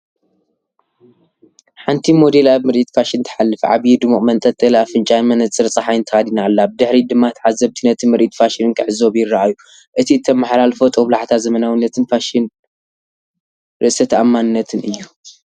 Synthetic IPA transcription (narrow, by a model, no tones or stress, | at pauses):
ħant̪ʰimo̞d̪e̞laβmɨɾʔit̪faʃɪnt̪ʰɐ̥ħalːɨfʕa̰βjid̪ɨmuʔʼmɐnt̪ʼɐt̪ʼɨlaβfɨnt͡ʃʼajmɐnɐt͡sʼːɨɾt͡sʼaħajɨnt̪ʰɐxad̪inalːabɨd̪ɨħɾid̪ɨmːat̪ʰʕazːɐβt̪ʰinɐt̪ʰɨmɨɾʔit̪faʃinɨnkʰɨʕɨzo̞bjɪrːaʔaju | ʔɨt̪ʰiɨt̪ʰːɐmːaħalalfot̪ʼoβlaʕt̪ʰazɐmɐnawinːɐt̪ʰɨnfaʃin | ɾʔɨʔsɐt̪ʰamːanɨnːɐt̪ʰɨnɨjːu